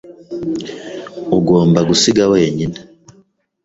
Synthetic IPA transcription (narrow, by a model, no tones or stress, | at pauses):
uɡoːmbaɡusiɡaweːɲine